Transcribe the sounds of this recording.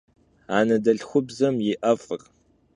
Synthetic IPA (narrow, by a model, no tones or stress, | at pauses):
aːnɐdɐɬxʷʊbzɐmjɪʔɐfʼɨr